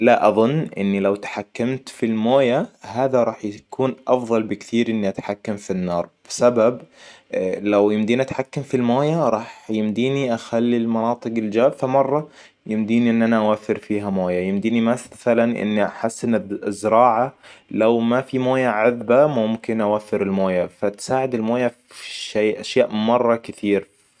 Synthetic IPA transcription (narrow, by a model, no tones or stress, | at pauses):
laʔɑðˤʊnːʔɪ̰nːilawt̪ḁħakːamt̪filmoːjahaːðaɾˤɑːħjakʰuːnʔɑfðˤɑlbɪkt̪iːɾʔɪnːiʔat̪ħakːamfinːɑːɾˤb̥ɪsabab | lawjɪmd̪iːniʔat̪ħakːamfilmoːjaɾˤɑːħjɪmd̪iːniʔaxalːilmɑnɑːt̪ˤɨɡɪld͡ʒaːbfamɑrˤːɑ | jɪmd̪iːniʔɪnːʔanaʔawafːɪɾfiːɦamoːjajɪmd̪iːnimaθalanʔɪ̰nːiʔaħasːɪnzːɪɾɑːʕalawmafimoːjaʕʊðbamʊmkɪnʔawafːɪɾɪlmoːjafat̪saːʕɪd̪ɪlmoːja | ʃeːʔaʃjaːʔmɑrˤːɑkɪt̪iːɾ